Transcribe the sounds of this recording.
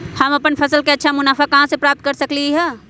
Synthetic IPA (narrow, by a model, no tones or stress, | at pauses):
həməpənpʰəsəlkeətːʃʰamʊnaːfʰakɐɦãsepɾaːp̚t̪̚kəɾsəkliɦɛ